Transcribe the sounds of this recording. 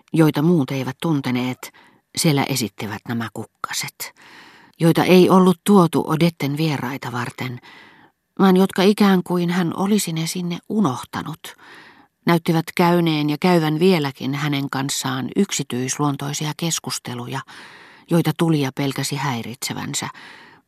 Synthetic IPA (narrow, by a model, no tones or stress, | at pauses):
joit̪ɑmuːt̪eiʋæt̪t̪unt̪eneːt̪ | sielːæ̰ʔesit̪ːiʋæt̪næmækukːɑ̥set̪ | joit̪ɑ̰ʔeiolːut̪t̪uot̪ṵʔo̰det̪ːenʋierɑit̪ɑʋɑrt̪en | ʋɑːnjot̪kɑikæːŋkuinhænʔo̰lisinesinːeʔʔunoht̪ɑ̰nut̪ | næyt̪ːiʋæt̪kæyneːnjɑkæyʋænʋielækḭnhæneŋkɑnsːɑːnyksit̪yisluont̪oisiɑkeskust̪elujɑ | joit̪ɑt̪ulijɑpelkæsihæirḭt̪seʋæ̰nsæ̰